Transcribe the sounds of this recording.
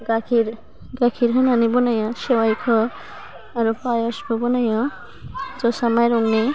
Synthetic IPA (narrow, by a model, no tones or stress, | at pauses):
ɡakʰiɾ | ɡakʰiɾɦʌnanibunajʌ̃sewajkʰoː | ɾupajʌskobunajʌ̃ | d͡zosamajɾuŋni